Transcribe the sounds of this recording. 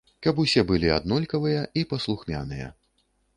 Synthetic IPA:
kɐpusʲɛbɨlʲia̰d̪nɔlʲkɐvɨjɐipɐslˠuxmʲa̰nɨjɐ̰

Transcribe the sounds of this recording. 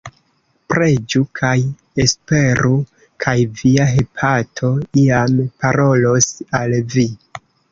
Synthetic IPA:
pɾe̞d͡ʒukʰaj | e̞spe̞ɾu | kʰajviaɦe̞pʰatʰo̞iampaɾo̞losalvi

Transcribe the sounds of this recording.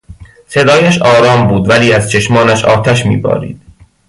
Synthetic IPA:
se̞d̪ɒːjæʃɒːɾɒːmbuːd̪væliːæz̥t͡ʃʰe̞ʃmɒːnæʃɒ̰ːt̪ʰæʃmḭːbɒ̰ːɾḭːd̪̥

